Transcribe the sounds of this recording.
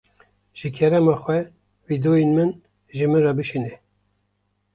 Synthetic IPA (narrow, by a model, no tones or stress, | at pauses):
ʒ̥ɨkʰɛɾɛmɑːxwɛ | vid̪oːjenmɨn | ʒɨmɨnrɑbɨʃinɛ